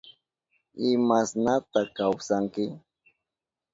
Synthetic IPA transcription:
ɪmasnat̪akawsaŋkɪ

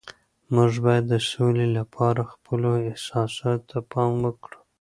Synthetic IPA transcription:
mʊʐbɑjad̪ːəsolelapʰɑɾaxpʰəloɪhsɑsɑt̪ːapʰɑmwəkɽu̥

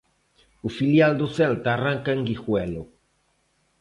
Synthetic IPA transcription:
ufiljald̪oθelt̪aːraŋkaeŋɡixwɛlo

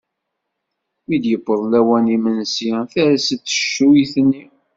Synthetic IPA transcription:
mid̪jəbːəɾˤlæwænimənsiθæɾæsət̪ːə̥ʃuθənːi

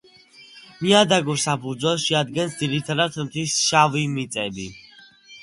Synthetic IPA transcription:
miad̪aɡɔsapʰuɾd̪zwɛlˠʃiad̪ɡɛnsd̪ziɾit̪ʰad̪at̪ʰmt̪ʰwisʃavimit̪sʼɛbi

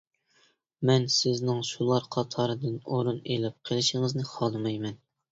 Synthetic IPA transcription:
mɛnsɪznɪŋʃulˠɑɾqʰɑt̪ʰɑɾɨd̪ɨnoɾunelɪp̚qʰəlˠɪʃɪŋɨznɨχɑlˠɨmɑjmɛn

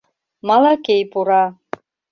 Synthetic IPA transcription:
malakʲejpʼuɾa

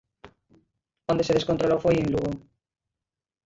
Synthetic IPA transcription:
onese̞ðekont̪ɾolofwejenluɣo

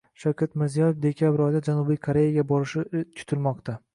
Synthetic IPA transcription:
ʃawkʲʰat̪mɪɾzijɒjefd̪e̞kʲʰabɪɾɒjd̪ad͡ʒanubijkʰoɾe̞jaɡʲabɒɾɪʃɪt͡ʃʰʊ̥t̪ʰɪlmɒqt̪ʰa

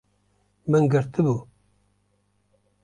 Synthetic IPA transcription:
mɨnɡɨɾt̪ʰɨbu

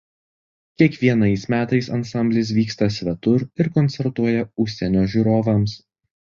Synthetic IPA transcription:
kʲiɛkʋʲiɛnɐɪsmʲæːt̪ɐɪsɐnsɐmʲbʲlʲɪs̬ʋʲiːkst̪ɐsʲʋʲɛt̪ʊɾɪɾkɔnʲt̪sʲɛɾt̪uɔjɛʊʃʲsʲɛnʲoːʒʲuːɾoːʋɐms

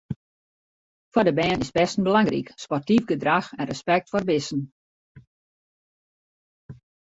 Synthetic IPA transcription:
fɔdəbɛːnɪzbɛstən̩bəlaŋrḭkspɔrtivɡədraxɛnrəspɛk̚tfɔrbɪsn̩

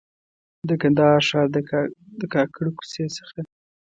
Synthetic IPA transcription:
d̪əkand̪ɑɾʃɑɾd̪əd̪əkɑkʰəɽku̥sesə̥xa

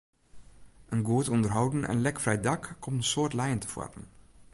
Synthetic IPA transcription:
ʔənɡoːtɔndəɹɦɑwdənʔɛ̰nlɛkfrɛjdɑkːɔmtənsoːɹtlɛjəntə̥fɔ̰rpən

